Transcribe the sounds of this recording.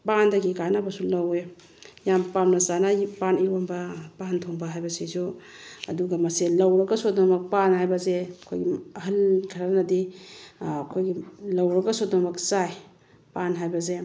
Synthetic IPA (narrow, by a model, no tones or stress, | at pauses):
pandɐɡikanabɐsulɐwe | jampamnɐzanapaniɾombɐpantʰoŋbɐɦajbɐsisuɐduɡɐmɐselɐwɾɐɡɐsot̚nɐmɐk̚panɦajbɐzeɐkʰo̰jɡiɐɦɐlkʰɐɾanɐdi | ɐkʰojɡilɐwɾɐɡɐsotnɐmɐksaj | panɦajbɐze